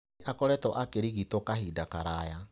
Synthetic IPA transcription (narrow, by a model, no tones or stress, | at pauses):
ʔakɔɾɛtɔʔakeɾiɣitokahidakaɾaja